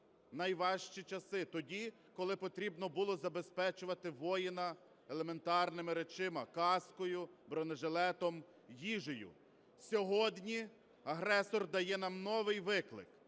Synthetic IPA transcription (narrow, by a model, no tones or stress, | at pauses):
nɐjʋɑʃt͡ʃit͡ʃɐsɪt̪ɔdʲi | kɔlˠɪpɔt̪ɾʲibnɔbulˠɔzɐbe̞spɛt͡ʃʊʋɐt̪ɪʋɔjɪnɐ | elˠe̞me̞nt̪ɑrnɪmɪɾet͡ʃɪmɐkɑskɔjʊbɾɔneʒelˠɛt̪ɔm | jiʒɪjʊ̰ | sʲɔɦɔd̪ʲnʲi | ɐɦɾɛsɔrd̪ɐjɛnɑmnɔʋɪjʋɪklˠɪ̰k